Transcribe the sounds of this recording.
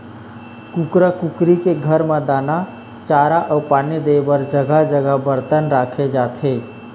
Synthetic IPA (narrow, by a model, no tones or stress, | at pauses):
kukɾəkukɾikeɡʱəɾmãd̪aːna | t͡ʃaːɾaʔɔwpaːned̪ebəɾd͡ʒəɡad͡ʒəɡabəɾt̪ənɾaːkʰed͡ʒaːt̪ʰɦeː